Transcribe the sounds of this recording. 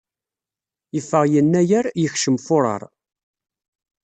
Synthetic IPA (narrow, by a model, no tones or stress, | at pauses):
jəfːəʁjənːæjəɾjəçʃəmfʊɾˤɑ̰ɾˤ